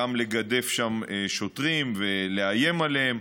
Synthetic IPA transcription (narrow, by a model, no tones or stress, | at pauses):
amle̞ɡad̪e̞fʃameʃo̞t̪ʁimve̞leaje̞maleɦem